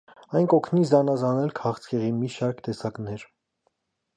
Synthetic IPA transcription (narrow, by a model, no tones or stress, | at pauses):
ɑjnkɔkʰnizɑnɑzɑnɛlkʰɑχt͡sʰkʰɛʁimiʃɑɾkʰt̪ɛsɑknɛɾ